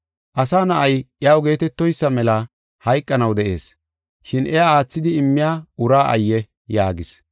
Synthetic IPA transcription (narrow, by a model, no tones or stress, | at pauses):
ʔɐsaːnɐʔɐjʔɪaːwɡe̞ːt̪ɛt̪ːɔjsːɐmɛlɐ | hɐjkʼːɐnɐwd̪ɛʔe̞̰ːs | ʃɪnʔɛjaaːt͡sːɪd̪ɪɪmːɪjaːʔʊɾaːʔɐ̰jːɛ | jaːɡɪs